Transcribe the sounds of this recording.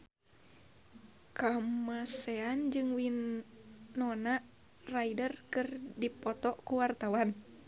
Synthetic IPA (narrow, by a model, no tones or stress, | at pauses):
kamasɛand͡ʒɨŋwinː | ɔnaʔ | raidərkɨrdipɔt̪ɔkuwart̪awan